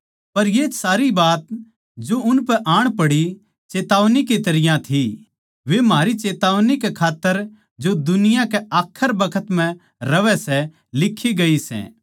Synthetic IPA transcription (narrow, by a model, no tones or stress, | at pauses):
pɐɾjeːsaːɾibaːt̪̚ | d͡ʒoʊnpɛʔaːɽ̃pɐɽi | t͡ʃeːt̪aːʋnik̬it̪ɐɾɪjãt̪ʰi | ʋemɦaːɾit͡ʃeːt̪aːʋnikekʰaːt̪ːəɾ | d͡ʒod̪ʊnɪjãkɛʔaːkʰːəɾbɐkʰət̪mɛ̃ | ɾɐʋɛsɛ | lɪkʰːiɡɐisɛ̰̃ː